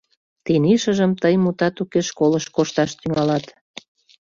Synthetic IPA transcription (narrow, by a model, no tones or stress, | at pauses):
t̪eniʃəʒəmt̪əjmut̪ɑt̪ukeʃkoləʃkoʃt̪ɑʃt̪yŋɑlɑt̪